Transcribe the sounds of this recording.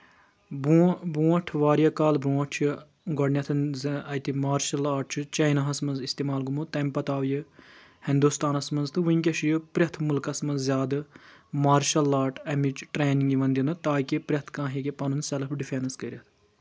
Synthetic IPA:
bubũːɐʈʰʋaːɾjɐkaːlbũːɐʈʰt͡ʃʰu | ɡɔɖnʲjɐt̪ʰɨnzɐjt̪imaːɾʃɐlaːʈt͡ʃʰut͡ʃɐjnaɦɐsmɐnzist̪eːmaːlɡumut̪ɐmpɐt̪aːʋjɨ | hĩnd̪ust̪aːnɐsmɐnzt̪ʰɨʋiŋkʲɐʃjɨpɾʲɐt̪ʰmulkɐsmɐnzzjaːd̪ɨmaːɾʃɐlːaːʈʰɐmit͡ʃʈɾeːniŋɡiʋɐnd̪jinɨt̪aːkʲipɾʲɐt̪ʰkãːɦikepɐnunsɛlɐpʰɖifʰenɐskɐɾʲjɐt̪ʰ

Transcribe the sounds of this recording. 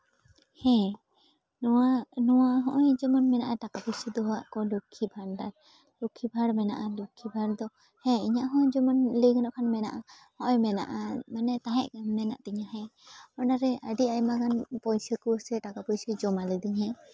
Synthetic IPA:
hɛ̃ | nɔwanɔwaɦɔ̃ʔɔjd͡ʒɔmɔnmɛnaʔaʈakapɔjsəd̪ɔɦaʔkɔlukʰibʱaɽɖaɾ | lukʰibʱaɽmɛnaʔalukʰibʱaɽd̪ɔ | hɛ̃iɲaʔɦɔ̃d͡ʒɔmɔnləjɡənɔʔkʰanmɛnaʔa | hɔ̃ʔɔjmɛna̰ʔamanɛt̪aɦɛʔ̚kɛmnɛna̰ʔt̪ɛɲaɦɛ̃ɔnaɾɛʔaɖiajmakanpɔjsəkɔwsɛʈakapɔjsəd͡ʒɔmaləd̪ɯŋɦɛ̃

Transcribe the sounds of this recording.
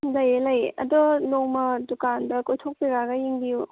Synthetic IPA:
lajelajɐ̰dɔnoŋmɐdukandɐkojtʰok̚piɡaɡɐjiŋbiju

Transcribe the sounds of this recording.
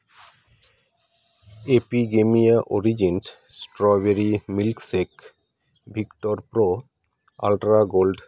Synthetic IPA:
epiɡemijaʔoɾid͡ʑins | sʈɾɔbeɾimilksek | bʱikʈoɾpɾo | a̰lʈɾaɡolɖ

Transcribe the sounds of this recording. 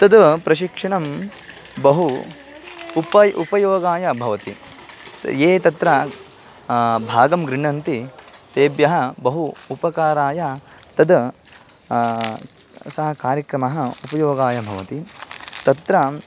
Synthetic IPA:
t̪ɐd̪pɾɐʃ̬ikʂɐɳɐm | bɐɦuː | pɐjʔupɐjoːɡaːjɐbʱɐʋɐt̪ḭ | eːt̪ɐt̪ɾɐ | bʱaːɡɐmɡɾɪɳɐnt̪it̪eːbjɐɦɐ̆bɐɦuupɐkaːɾaːjɐt̪ɐd̪ | sɐɦɐkaːɾjɐkɾɐmɐɦɐupɐjoːɡaːjɐbʱɐʋɐt̪it̪ɐt̪ɾɐ

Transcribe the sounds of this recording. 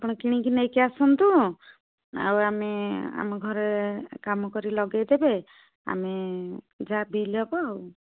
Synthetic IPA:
pɔɽ̃ɔkiɽ̃ĩkinekeasɔnt̪u | a̰wamea̰mɔɡʱɔɾekamɔkɔɾilɔɡajd̪ebe | a̰me | d͡ʒabilɔbɔaw

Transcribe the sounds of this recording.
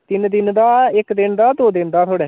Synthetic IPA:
t̪ɪnd̪ɪnd̪aːɪkd̪ɪnd̪aːd̪oːd̪ɪnd̪aːt̪ʰoːɽɛː

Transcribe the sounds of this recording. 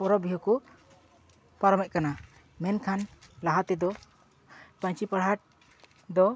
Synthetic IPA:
pɔɾɔbiɦɔku | paɾɔmɛc̚kana | mɛnkʰanlaɦat̪ɛd̪ɔ | paɲt͡ʃipaɽɦaʈ̚ | d̪ɔ

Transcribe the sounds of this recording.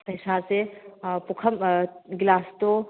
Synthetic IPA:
pɐjsasepʊkʰɐmɡlaːst̪o

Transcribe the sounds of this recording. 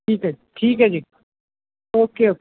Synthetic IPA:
iːkɦad͡ʒeʈʰiːkɦad͡ʒeː | oːkeoːk

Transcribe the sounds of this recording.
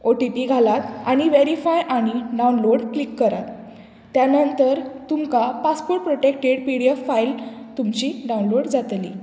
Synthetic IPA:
oʈipiɡʱalat̪aɽ̃iʋeɾifajʔaɽ̃iɖaunloɽklikːəɾat̪ː | janənt̪əɾt̪umkapaspoɾʈ̚pɾoʈekʈeɽpiɽiefːailt̪umt͡ɕiɖaũnloɽd͡zat̪lḭ

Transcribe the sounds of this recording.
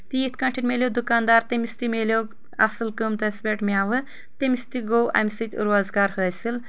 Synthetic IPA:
t̪iːt̪ʰkɐ̃ʈʰinmʲelʲjod̪ukaːnd̪aːɾt̪emist̪imelʲjoː | ɐ̰sɨlkɨmt̪ɐsbʲeʈmʲjaːʋɨ | t̪emist̪iɡowʔɐ̰misit̪ʲṵɾaːzɡaːɾhəːjsil

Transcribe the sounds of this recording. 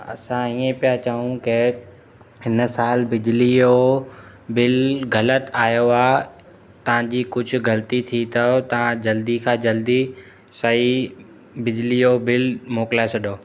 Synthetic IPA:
ɐ̰sãiːẽpijat͡ɕɐɦũkɪ | hɪnsaːlbɪd͡ʑlio | bɪlɣɐlət̪aːjoaː | t̪ɐʋ̤ãd͡ʑiːkʊd͡ʑʱʊ̆ɡɐlt̪it̪ʰit̪ʰɐot̪ɐʋ̤ãd͡ʑɐld̪ikʰãːd͡ʑɐld̪i | sɐi | bɪd͡ʑlijobɪlmoːkɪlaːɪsɐɗoː

